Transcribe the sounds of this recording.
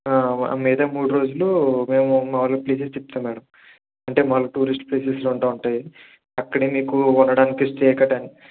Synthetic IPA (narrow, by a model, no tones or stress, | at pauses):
aːɐ̰miːd̪ɐmuːɽuɾo̞ːd͡ʒulume̞ːmumɐʋɐlɐkpleːsest͡ʃ̪ep̚t̪ɐmɛːɽɐm | ɐɳʈe̞ːmɐʋlɐkʈuːɾisʈpleːsesloːuɳʈaːuɳʈaːji | ɐkːɐɽimiːkuunːɐɽaːnikisʈeːkɐʈɐni